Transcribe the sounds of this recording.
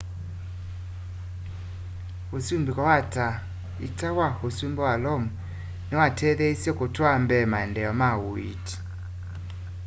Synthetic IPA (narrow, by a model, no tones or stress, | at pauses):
osumbikɔwata | ḭtawahosumbɛwalɔmu | newatʰɛðɛisjɔkotwambɛmaɛndɛɔmawoḭti̥